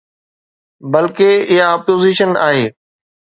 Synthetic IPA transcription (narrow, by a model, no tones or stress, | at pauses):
bɐlkeɪɦaːpoːziʃəna̰ːɦeː